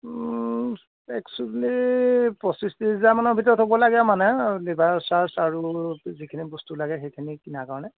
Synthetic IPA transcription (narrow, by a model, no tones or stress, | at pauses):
ɛksulipɹɔsistizamanɔbʱitɔɹɔtɦobɔlaɡɛmanɛlibasaɹsaɹuzikʰinibɔstulaɡɛxejkʰinikinakaɹɔnɛ